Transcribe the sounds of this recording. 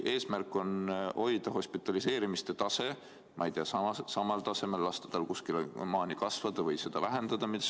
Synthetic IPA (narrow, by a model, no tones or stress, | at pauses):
ʔe̞ːsmærkˑːo̞nho̞jd̪̥ɑɦo̞spit̪ːˑɑlise̞ːɾimist̪e̞t̪ɑse̞ | mʔɑ̰jt̪eɑsɑɑsɑmɑlt̪ɑse̞me̞lːɑst̪ed̪̥ɑlkuskilonmɑːnikɑsvɑd̪̥ɑvɤjse̞d̪̥ɑvæɦe̞nd̪̥ɑd̪̥ɑmit̪